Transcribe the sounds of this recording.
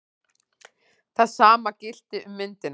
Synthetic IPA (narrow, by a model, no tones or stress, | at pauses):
θaðsaːmacɪl̥t̪ɪʔʏmːɪnt̪ɪn